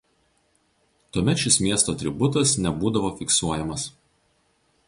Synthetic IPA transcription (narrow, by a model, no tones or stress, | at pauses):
t̪uɔmʲɛt̪ʃʲɪsmʲiɛst̪oːt̪ʲɾʲɪbʊt̪ɐsnʲɛbuːd̪ɐʋoːfʲɪksuɔjɛmɐs